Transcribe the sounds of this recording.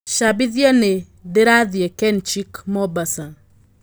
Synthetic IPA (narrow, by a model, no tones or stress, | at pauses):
ʃabɪðjane | dɪɾaðjekɛnt͡ʃikmɔbasaŋ